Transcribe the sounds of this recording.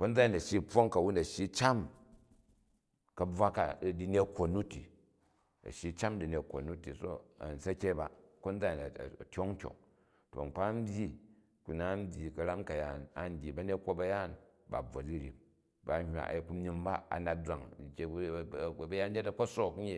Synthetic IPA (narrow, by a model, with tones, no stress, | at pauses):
ko˦nd͡za˦i˦˨nɐ˨ʃi˦ɸo˦ŋka˨wu˦nɐ˨ʃji˦t͡ʃa˦m | kɐ˨b͡va˦ka˨di˦ne˦kʷːo˨nːu˦ti˨ | ɐ̰˨ʃji˨t͡ʃa˦mdi˨nʲe˨kʷːo̰˨nu˦ti˨so˦ɐ̰˨n̩˨sɐ˦kʲe˦ba˦ko˦n˦d͡za˦ji˨na̰˨tʲo˦ŋ̩˦kʲo̰˨ŋ | to̰˨ŋ͡m̩˨k͡pa˦m˦bʲji˦ | ku˨na˨˦m̩˦bʲji˨kɐ˨ɾa˦mka˨ja˨na˨n̩˨dʲi˨bɐ˦ne˦kʷo˦bɐ˧ja˦˨n | ba̰˨b͡vo̰˨di˦ɾʲḭ˨m | ba˨hʲwa̰˨ʔi˨ku˦i˧mba˦a̰˨na˨dɾa˨ŋ˨kʲe˨˦˨bɐ˦ja˦n˦e˦tɐ˦˨ko˦so˦k̩˦ɲi˦